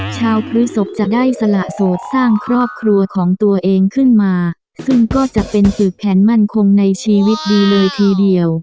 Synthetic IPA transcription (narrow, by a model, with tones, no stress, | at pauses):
t͡ɕʰaː˧wpʰɾi˦˥so˩˦˥p̚t͡ɕa˨˩daː˥˩jsa˧la˨˩ʔsoː˨˩t̪̚saː˥˩ŋkʰɾɔː˥˩p̚kʰɾu˧ɐkʰɔː˩˦ŋt̪u˧ɐʔeː˧ŋkʰɯ˥˩nmaː˧ | sɯ˥˩ŋkɔː˥˩t͡ɕa˨˩ʔpe˧nsɯː˨˩k̚pʰɛː˩˦nma˥˩nkʰo˧ŋna˧jt͡ɕʰiː˧wi˦˥t̪̚diː˧lɤː˧jt̪ʰiː˧di˧əw